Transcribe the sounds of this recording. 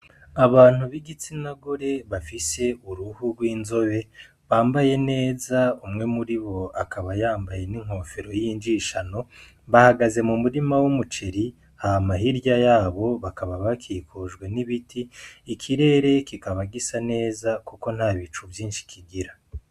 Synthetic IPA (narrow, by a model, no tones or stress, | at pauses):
aβaːn̥huβiɡit͡sinaɡoɾe̞βafise̞ʔuɾuhuɡwiːnzo̞βe̞ | βaːmbaje̞ne̞ːzaumŋe̞muɾiβo̞akʰaβajaːmbaje̞niŋ̥ho̞ːfeɾo̞jind͡ʒiʃano̞ | βahaɡaze̞mumuɾimawumut͡ʃeɾi | hahamaɦiɾjajaːβo̞βakaβaβakʰikʰoʒɡwe̞niβitʰiːkʰiɾe̞ːɾe̞kikaβaɡisane̞ːzakuko̞n̥haːβit͡ʃuvjiːnʃi̥kʰiɡiɾa